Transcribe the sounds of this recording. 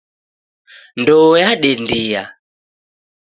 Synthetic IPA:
ndɔjaɗɛndija

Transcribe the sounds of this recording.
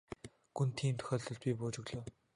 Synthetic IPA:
ɡ̥unt̪ʰiːmt̪ʰɵ̥xʲɔːɮɮɵ̆ɮt̪̚pʲiːpʊːt͡ɕɪ̆ɣɮŏː

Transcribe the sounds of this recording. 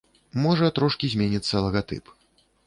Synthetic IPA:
mɔʐɐt̪ɾɔʂkʲizʲmʲenʲit̪sːɐlˠɐɣat̪ɨ̰p

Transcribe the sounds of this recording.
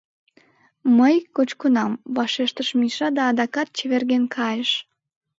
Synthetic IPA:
məjkot͡ɕkonɑmβɑʃeʃt̪əʃmiʃɑd̪ɑːd̪ɑkɑt̪̚t͡ɕeβerɣenkʰɑjəʃ

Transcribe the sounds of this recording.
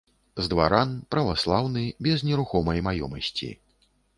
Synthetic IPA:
zd̪va̰ɾanpɾɐvaslˠawnɨbʲɛznʲɛɾuxɔmɐjmajɔ̰mɐsʲt͡sʲḭ

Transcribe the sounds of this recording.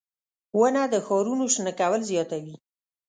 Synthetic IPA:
wənad̪əxɔɾunoʃnəkawəlzjɑt̪awi

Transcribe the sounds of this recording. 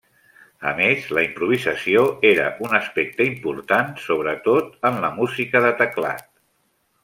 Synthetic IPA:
ə̰mezləimpɾuβ̞izəsioeɾə̰ʔunəspɛk̚t̪əimpuɾt̪ansoβ̞ɾət̪ot̪̚ənləmuzikəðət̪əkla̰t̪̚

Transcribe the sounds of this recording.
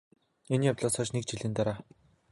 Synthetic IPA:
enjawt̪ɮɔːsɔːt͡ɕnek̚t͡ɕiɮɘ̆nt̪aɾaː

